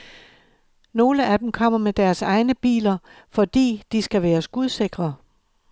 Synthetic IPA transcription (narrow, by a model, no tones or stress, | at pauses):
no̝ːləʔæd̥em̩kʰɒ̽m̰ɐmed̥æɐsɑ̈ɪnəb̥ḭːlɐ | fɒ̽d̥ḭːd̥isɡ̥æʋæːɐsɡ̥uð̞ˠse̝ɡ̥ʁɐ